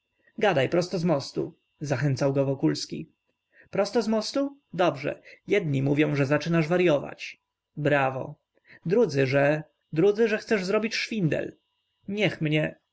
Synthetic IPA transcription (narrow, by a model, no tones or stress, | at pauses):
ɡad̪ajpɾɔst̪ɔzmɔst̪ṵ | zaxɛnt̪sawɡɔvɔkulskʲḭ | pɾɔst̪ɔzmɔst̪ud̪ɔbʐɛ̰jɛd̪̚ɲimuvʲjɔ̃w̃ʐɛzat͡ʂɘnaʐvaɾjɔva̰t͡ɕ | bɾavɔ̰ | d̪ɾud̪zɘʐɛ | d̪ɾud̪zɘʐɛxt̪sɛʐzɾɔbʲit͡ɕʂfʲind̪ɛ̰l | ɲɛxmɲɛ